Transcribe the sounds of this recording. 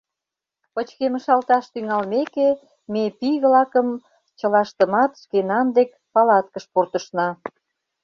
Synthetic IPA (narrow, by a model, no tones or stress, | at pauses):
pət͡ɕkemə̆ʃɑlt̪ɑʃt̪yŋɑlmeke | mepijβlɑkəm | t͡ɕə̆lɑʃt̪ə̆mɑt̪ʃkenɑnd̪ek | pɑlɑt̪kəʃpurt̪ə̆ʃnɑ